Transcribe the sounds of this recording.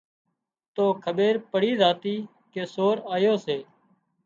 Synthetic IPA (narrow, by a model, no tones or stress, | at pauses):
t̪oːkʰəɓeːɾpəɽiːzaːt̪iː | keːsoːɾaːjoːseː